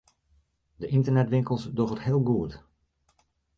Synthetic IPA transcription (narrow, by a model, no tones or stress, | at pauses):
dəʔɪntərnɛtʋɪŋkəlˠsdoɣəthɪːlˠɡuət